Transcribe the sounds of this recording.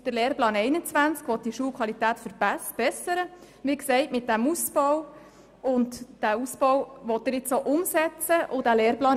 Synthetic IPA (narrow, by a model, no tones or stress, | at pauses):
d̥əɾleːrplɑːnɛɪnət͡sʋænt͡skʋɔt̪̚d̥iʃuːlkʰʋɑlitæːtfəɾb̥æsb̥ɛsəɾə | ʋɪksɛɪtmɪt̚d̥æmusb̥ɔw | ʊntd̥æusb̥ɔwʋɔtːəɾɪt͡soʔʊmsɛt͡səʔʊd̥æleːɾplɑːn